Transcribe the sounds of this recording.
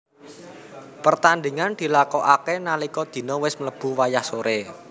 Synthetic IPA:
pərt̪and̪iŋand̪̥i̤lakɔʔakenalikɔd̪̥i̤nɔwɪsmələb̥ṳwajahsoɾe

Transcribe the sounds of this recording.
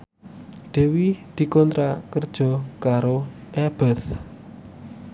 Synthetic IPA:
ɖ̪̥e̤wid̪̥i̤kɔnt̪ɾakərd̥ʒ̥ɔ̤kaɾoʔɛb̥ɛ̤θ

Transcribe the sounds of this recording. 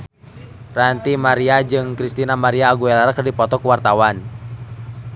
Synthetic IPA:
rant̪imaɾiad͡ʒɨŋkɾist̪inamaɾiaːɡuɛlaɾakərdipɔt̪ɔkuwart̪awan

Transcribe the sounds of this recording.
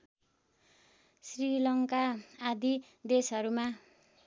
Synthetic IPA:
srilʌŋkaːd̪i | d̪esʌɾuma

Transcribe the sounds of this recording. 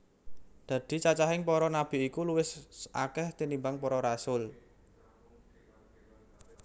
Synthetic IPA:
d̪̥a̤d̪̥i̤t͡ʃat͡ʃaɦɪŋpɔɾɔnab̥i̤ikuluwɪsʔakɛht̪inimbaŋpɔɾɔɾasʊl

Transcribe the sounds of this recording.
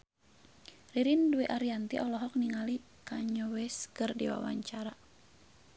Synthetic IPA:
riɾinduɛʔaɾiant̪ḭʔɔlɔɦɔk̚niŋali | kaɲɔwɛskərdḭwa̰wa̰ɲt͡ʃaɾa

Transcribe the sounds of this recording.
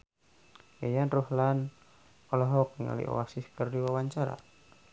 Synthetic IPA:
ejanrɔhlan | ɔlɔɦɔk̚niŋa̰lḭʔo̰asiskərdiwawaɲt͡ʃaɾa̰

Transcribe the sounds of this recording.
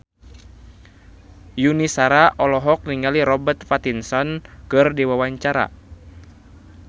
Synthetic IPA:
junisaɾaʔɔlɔɦɔk̚niŋaliɾɔbərt̪fat̪insɔnkɨrdiwawaɲt͡ʃaɾa̰

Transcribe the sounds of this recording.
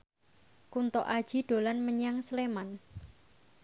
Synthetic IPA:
kunt̪ɔʔḁʒ̥i̤ɖ̪̥o̤lanməɲaŋsleman

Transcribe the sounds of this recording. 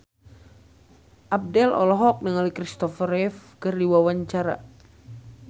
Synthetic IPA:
ʔab̚dɛlɔ̰lɔɦɔk̚nəŋalikɾist̪ɔfɾɛfkɨrdiwawaɲt͡ʃaɾa̰

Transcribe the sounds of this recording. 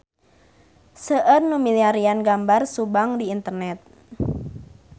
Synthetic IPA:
səʔərnumiliaɾianɡambarsubaŋdiːnt̪ərnɛt̪̚

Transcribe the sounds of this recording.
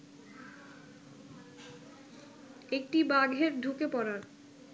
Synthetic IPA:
ekʈibaɡʱeɾɖʱukepɔɾaɾ

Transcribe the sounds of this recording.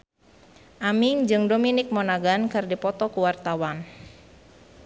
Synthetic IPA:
ʔamiŋd͡ʒɨŋdominik̚mɔnaɡankɨrdipɔt̪ɔkuwart̪awan

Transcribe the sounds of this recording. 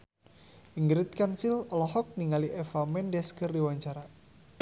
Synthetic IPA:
ʔiŋɡɾɪt̪̚kansilɔlɔɦɔk̚niŋaliʔɛfamɛndɛskərdiwaɲt͡ʃaɾa

